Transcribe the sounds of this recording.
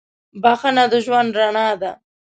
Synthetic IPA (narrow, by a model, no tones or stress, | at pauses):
baxənad̪əʒwand̪ɾaɳad̪a